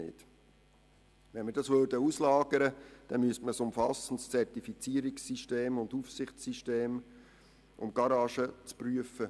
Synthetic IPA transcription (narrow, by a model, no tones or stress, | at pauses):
ɪ̰t | ʋɛnməɾdɑsʋødəuslɑːɡ̥əɾəd̥ɛnmyəstməsʊmfɑsən̩tst͡sɛrtifit͡siːəɾiksiʃteːmʊndufsɪχt͡sːiʃteːm | ʔʊ̰mɡ̥ɑɾɑːʃət͡spryəfə